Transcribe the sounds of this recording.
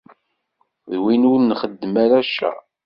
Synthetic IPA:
ðwinuɾnχəd̪ːəmæɾæʃæ̰

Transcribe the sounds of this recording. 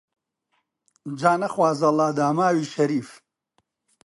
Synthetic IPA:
d͡ʒaːnɐχwaːzɐlaːd̪aːmaːwiːʃɐɾiːf

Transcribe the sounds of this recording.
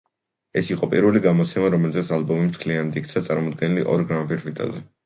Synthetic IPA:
ɛsiqʼɔpʼiɾvuliɡamɔt̪sʰɛmaɾɔmɛlzɛt̪salbɔmimt̪ʰlianad̪ik̚ʰt̪sʰat̪sʼaɾmɔmɔd̪̚ɡɛniliʔɔɾɡɾampiɾvit̪ʼa̰zɛ

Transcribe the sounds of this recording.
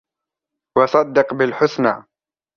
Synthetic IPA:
wɑsˤɑd̪ːɪqbɪlħʊsna̰ː

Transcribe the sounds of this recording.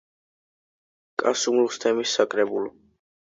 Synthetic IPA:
kʼasumlɔst̪ʰɛmisːakʼɾɛbulɔ

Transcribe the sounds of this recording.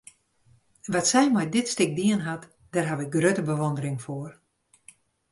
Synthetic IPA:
ʋatsɛjmɛjdɪtstɪk̚diənɦat | d̥ɛːrɦaʋɪk̚ɡrøtəbəʋondəɾɪŋfoər

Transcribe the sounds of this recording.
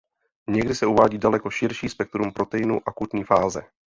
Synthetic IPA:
ɲɛɡdɪsɛuvaːɟiːdalɛko̞ʃɪɾʃiːspɛk̚t̪ɾumpɾo̞t̪ɛjɪnuʔakut̪ɲiːfaːzɛ̰

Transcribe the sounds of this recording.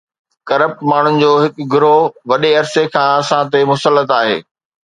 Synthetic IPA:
kɐɾəp̚ʈmaːɳ̤ʊnɪ̆d͡ʑoːɦɪkʊɡʊɾoʋɐɗeɐɾsekʰãːɐsãt̪emʊsəlːət̪aːɦḛː

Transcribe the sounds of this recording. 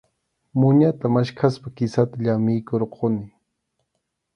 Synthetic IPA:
mʊɲat̪amaʃkʰaspakɪsat̪aʎamɪjkoɾqʰonɪ

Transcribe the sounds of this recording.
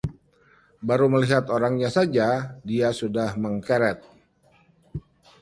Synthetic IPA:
baɾuməliɦat̪oɾaŋɲasad͡ʒadiasudahməŋkɛɾɛt̪̚

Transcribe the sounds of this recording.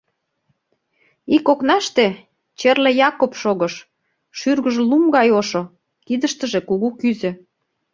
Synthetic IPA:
ikoknɑʃt̪e | t͡ɕerlĕjɑkopʃoɣəʃ | ʃyrɣəʒlumɡɑjoʃo | kid̪əʃt̪ə̆ʒĕkuɣukyzø̆

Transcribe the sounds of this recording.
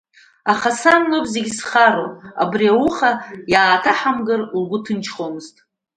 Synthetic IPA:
aχasanlopʰʼzeɡʲisχaɾo̰a̰briawʊχajaːtʰaħamɡɨrlɡʷʊtʰɨnt͡ʃʰχomɨztʼ

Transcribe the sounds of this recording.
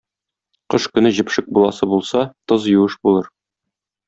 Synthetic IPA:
qɤʃkɵ̆nɘʑɘ̆pʃɘk̚bulˠɑsɤbulˠsɑt̪ɤzjuɤʃbulˠɤɾ

